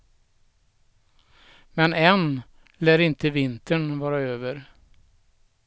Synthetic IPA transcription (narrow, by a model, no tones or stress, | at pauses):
mɛnɛn | læːɾɪnt̪əvɪnt̪ʰəɳvɑːɾaøːvəɾ